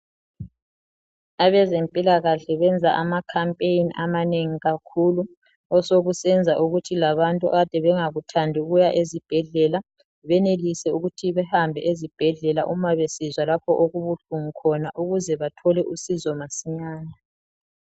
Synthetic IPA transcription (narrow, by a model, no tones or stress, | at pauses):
aβɛzempʼilaɣaɬɛβɛnd͡zʱaʔamakʰampʼejiniʔamaneŋiɣakʰulu | ɔsoɣusɛnd͡zʱaʔuɣutʰilaβantʼua̰ɣad̥ʱɛβɛŋaɣutʰandʱiuɣujaʔezib̥ʱɛɮɛla | βɛnelisɛuɣutʰiβɛhambʱɛʔezib̥ʱɛɮɛlaʔumaβesizwalapʰɔʔoɣuβuɬuŋikʰɔnaʔuɣuzɛβatʰɔlɛʔusizɔmasiɲaːna